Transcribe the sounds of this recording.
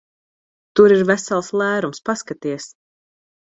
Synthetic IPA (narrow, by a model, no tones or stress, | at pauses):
t̪uɾiɾvæsalˠslˠæːɾumspaskat̪iɛs